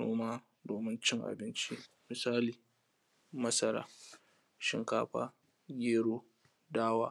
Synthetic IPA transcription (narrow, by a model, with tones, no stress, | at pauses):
nṵː˦maː˦ | doː˨mɪ˦nt͡ʃɪ˦ŋʔa̰˨bɪ˦nt͡ʃi˦ | mɪ˨saː˦liː˨ | mɐ˦sɐ˦ɾa̰ː˦ | ʃɪ˦ŋkaː˦ɸa̰ː˦ | ɡʲeː˦ɽoː˦ | daː˦waː˦